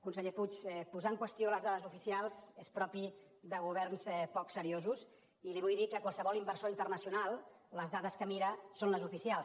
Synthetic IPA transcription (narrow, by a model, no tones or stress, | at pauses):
kunsəʎeput͡ʃɛpuzaəŋkwəst̪ioləzðaðəzufisialˠzespɾɔpi | d̪əɣuβ̞ɛrnzɛpɔksəɾiozus | iliβujðikəkwalˠsəβɔlimbəɾsoint̪ərnəsiunalˠ | ləzðaðəskəmiɾəsonləzufisialˠs